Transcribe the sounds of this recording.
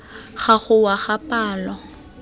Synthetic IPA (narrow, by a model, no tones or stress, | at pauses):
χaɣʊwaχapaːlɔ